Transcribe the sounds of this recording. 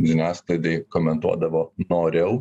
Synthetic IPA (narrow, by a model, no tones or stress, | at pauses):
ʒʲɪnʲæːsklˠɐɪd̪ɐɪkoːmʲɛnt̪uɔd̪ɐʋoːnoːɾʲɛʊ